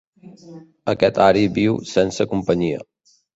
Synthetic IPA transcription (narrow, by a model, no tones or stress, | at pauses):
əkɛt̪aɾibiwsɛnsəkumpəɲiə̰